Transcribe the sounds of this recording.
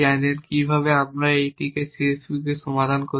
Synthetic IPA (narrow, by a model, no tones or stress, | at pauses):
ajneɾkibʱaβeamɾaejʈikesesbukeʃɔmad̪ʱanko